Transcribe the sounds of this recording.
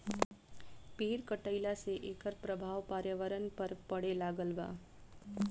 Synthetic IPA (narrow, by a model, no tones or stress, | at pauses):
peɾkəʈəilaseʔekəɾpɾəbʱaʋpaɾjəʋəɾənpəɾpəɽelaɡəlʋa̰